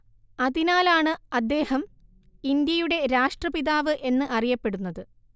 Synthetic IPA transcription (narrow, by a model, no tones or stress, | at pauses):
ɐðinaːlaːɳɨɐd̪ːe̞ːhɐm | ind̪jɐjuɽe̞ɾaːʂʈrɐpiðaːʋɨʔe̞nːɨʔɐrijɐpːe̞ɽunːɐðɨ